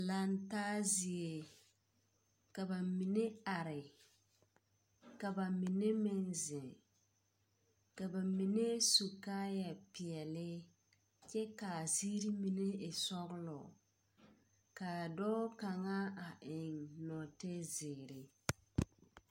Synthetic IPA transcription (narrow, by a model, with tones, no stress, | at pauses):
la˨n˦taː˦zi˨e˨ | ka˨ba˨mi˨ne˦a˨ɾɪ˨ | ka˨ba˨mi˨ne˦mɪ˦nzɪ˨ | ka˨ba˨mi˨ne˦su˨kaː˦ja˨pi˨ɛ˨lɪ˦ | t͡ʃɛ˦ka˨zi˦ɾi˦mi˨ne˦ɪ˨sɔ˦ɣʊ˦lɔ˨ | ka˨dɔː˦ka˨ŋa˦a˨ʔɪ˨ŋnɔ˨te˦zɪ˨ɾɪ˨